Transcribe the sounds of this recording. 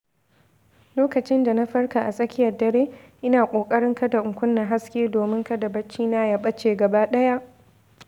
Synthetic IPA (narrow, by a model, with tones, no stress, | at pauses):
loː˦kɐ˨t͡ʃɪ˦nda˨na˦ɸɐ˦rka˨ʔa˨sʼɐ˦kʲɪ˦jɐ˨rdɐ˨ɾeː˦ʔɪ˦naː˨kʷʼoː˨kʼɐ˦ɽɪ˦ŋkɐ˦da˨ʔʊ˨ŋkʷʊ˦nːa˨ɦa˦skʲeː˦doː˨mɪ˦ŋkɐ˦dɐ˨bɐ˦t͡ʃːiː˦na˦jɐ˨ɓɐ˦t͡ʃːeː˨ɡɐ˨baː˦ɗɐ˦ja˦ʔ